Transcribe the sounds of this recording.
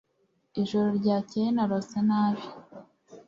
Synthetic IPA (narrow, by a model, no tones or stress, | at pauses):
iʒoɾoɾɟaːcejenaɾosanaːʒi̥